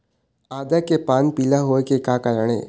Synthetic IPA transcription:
aːd̪akepaːnpiːlaɦoekekaːkalaɽ̃ḛː

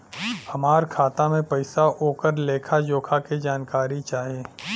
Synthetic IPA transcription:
hɐmaːɾkʰaːt̪amẽpɐɪsaʔoːkəɾleːkʰad͡ʒoːkʰaked͡ʒaːnkaːɾit͡ʃaːɦieː

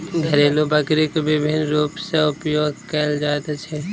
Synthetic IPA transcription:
ɡʱɐɾeːlobɐkɾekebɪbʱɪnɾuːpseʊpjoːɡkɐld͡ʒaːt̪at͡ʃʰɛ

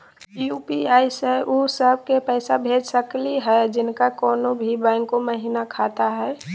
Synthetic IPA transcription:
jupiaːɪseʔusəb̚ʱkepɛːsabʱeːd͡ʒsəkliɦɛd͡ʒɪnkakɔːnobʱibãŋkːoməɦiːnakʰaːt̪aɦɛ

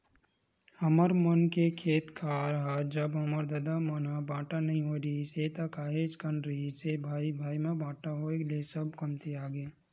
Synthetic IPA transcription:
hɐməɾmənkekʰeːt̪kʰaɾɐɦad͡ʒəbɦɐməɾd̪ɐd̪amɐnabãːʈanɐɦĩɦoɾiset̪akaːɦed͡ʒkənɾɐɦisebʱaːibʱaːimẽbãːʈaɦoːeklesəbkɐmt̪iaːɡeː

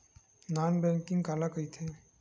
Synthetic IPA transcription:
naːnbɛ̃ŋkɪ̃ŋɡkalakəit̪ʰe

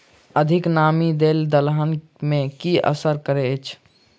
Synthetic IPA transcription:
əd̪ʱiknamid̪eld̪əlɦən | mẽkiə̰səɾkəɾeət͡ʃʰ

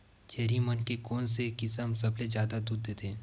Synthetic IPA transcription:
t͡ʃeːɾimənkekɔːns̬ekɪsəmsɐbled͡ʒjaːd̪ad̪uːd̪ːeːt̪ʰeː

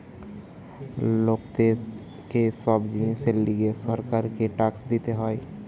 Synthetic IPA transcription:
loːkd̪eːz | kesɔːbd͡ʒɪniseliɡesəɾkaːɾkeʈaːksd̪it̪eɦoi

